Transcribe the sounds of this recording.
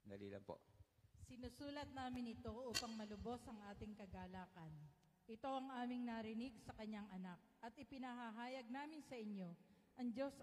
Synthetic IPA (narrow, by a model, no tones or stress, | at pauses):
d̪ɐliːlɐ̰ŋpo̰sɪnusuːlɐt̪̚naːmɪnɪt̪o̞ʔuːpɐŋmɐlʊbo̞sʔɐŋʔaːt̪ɪŋkɐɡaːlaːkɐn | ʔɪt̪o̞ʔɐŋʔaːmɪŋnaːɾɪnɪɡ̚sɐkɐɲːaŋʔɐnak̚ʔɐt̪ɪpɪnɐɦaɦaːjɐɡ̚naːmɪnsɐʔɪɲjo̞ | ʔɐŋd͡ʒo̞s